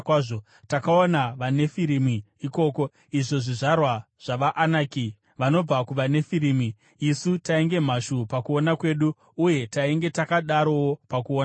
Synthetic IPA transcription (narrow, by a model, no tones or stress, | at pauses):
kwaːʐo | takaonaʋane̞fiɾimi | iko̞ːko̞ | iʐo̞ʐiʐarwa | ʐ̥aʋaʔanaːki | ʋano̞b͡vakuʋane̞fiɾiːmiː | sutaeŋɡe̞m̤aʃupakuo̞nakwe̞ːɗuː | je̞taiŋɡe̞takaɗaɾo̞wopakuoːna